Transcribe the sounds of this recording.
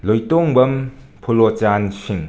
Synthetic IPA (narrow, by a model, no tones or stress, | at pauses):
lojtoŋbɐm | pʰulot͡ʃansiŋ